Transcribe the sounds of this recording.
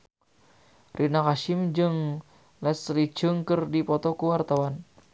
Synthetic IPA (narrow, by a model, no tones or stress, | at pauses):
rʔinakaʃɪmd͡ʒɨŋ | lɛslit͡ʃɨŋkɨrdipɔt̪ɔkuwart̪awan